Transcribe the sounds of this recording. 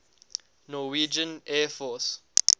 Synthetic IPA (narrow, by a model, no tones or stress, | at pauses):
nɔwid͡ʒə̃nɛfɔs